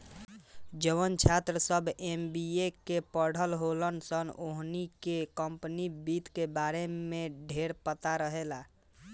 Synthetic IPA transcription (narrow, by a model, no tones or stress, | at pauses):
d͡ʒəʋənt͡ʃʰat̪ɾəsəbʱembiekepəɽ̤ʱəlɦolənsənoɦnikekəmpnibit̪kebaɾemẽɖʱeɾpət̪aɾəɦela